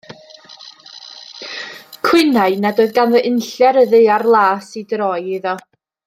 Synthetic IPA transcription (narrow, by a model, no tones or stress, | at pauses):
kʰw̥ɪnaɨnadoːɨðɡanvəʔɪnɬɛɾəðɨarlˠaːsidrɔjɪðɔ